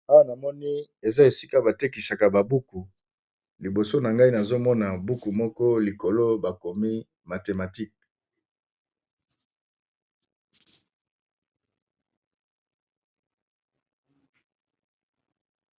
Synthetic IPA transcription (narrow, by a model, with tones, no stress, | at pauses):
a˦wa˦na˨mɔ˦ni˦e˨za˦e˨si˦ka˦ba˨te˦ki˨sa˨ka˨ba˨bu˦ku˨ | li˨bo˨so˦na˨ŋɡa˦i˦na˨zo˦mɔ˦na˨bu˦ku˨mɔ˦kɔ˦li˨ko˨lo˦ba˨ko˨mi˦ | ma˨te˨ma˨ti˦k̚